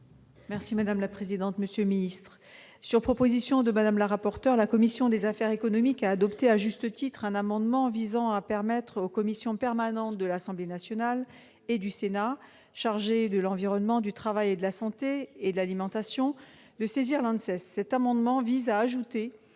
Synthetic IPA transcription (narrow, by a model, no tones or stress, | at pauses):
mɛʁsimad̪amlapχezid̪ɑ̃t̪məsjølminist̪χ | syʁpχɔpozisjɔ̃d̪əmad̪amlaʁapɔʁt̪œʁlakɔmisjɔ̃d̪ezafɛʁekɔnɔmikaːd̪ɔpt̪eaʒyst̪ət̪it̪χɛ̃namɑ̃d̪mɑ̃vizɑ̃apɛʁmɛt̪χokɔmisjɔ̃pɛʁmanɑ̃t̪̚d̪əlasɑ̃blenasjɔnal | ed̪ysena | ʃaʁʒed̪əlɑ̃viʁɔnmɑ̃d̪yt̪χavajed̪əlasɑ̃t̪eːd̪əlalimɑ̃t̪asjɔ̃ | d̪əseziʁlɛ̃d̪sɛsːɛt̪amɑ̃d̪mɑ̃vizaːʒut̪e